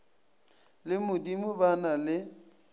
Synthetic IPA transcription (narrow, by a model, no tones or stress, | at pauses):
lɪmʊdimʊbanalɪ